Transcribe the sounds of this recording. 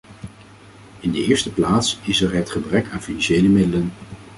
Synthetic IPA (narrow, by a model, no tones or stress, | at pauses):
ɪndəɪːɹstəplaːtsɪsɛɹɦətχəbrɛkaːnfinanʃejləmɪdələn